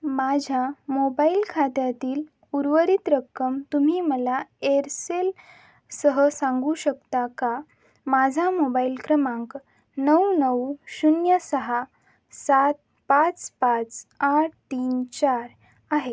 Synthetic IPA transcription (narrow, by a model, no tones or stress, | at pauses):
mad͡ʑʱamobailkʰat̪jat̪iːl | uɾʋəɾit̪ɾəkːəmt̪um̤iːməlaeɾsel | səɦəsãŋɡuːɕəkt̪aka | mad͡zʱamobailkɾəmãŋk | nəwnəwɕunjəsəɦa | sat̪̚ | pat͡spat͡saʈ̚ʰt̪iːnt͡ɕaɾ | aɦe